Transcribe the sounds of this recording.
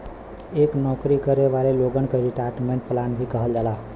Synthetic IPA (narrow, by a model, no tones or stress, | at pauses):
eːknɔkɾikəɾeʋaleloɡənkeɾiʈaɾʈmẽɳʈplaːnbʱikəɦəld͡ʒaːla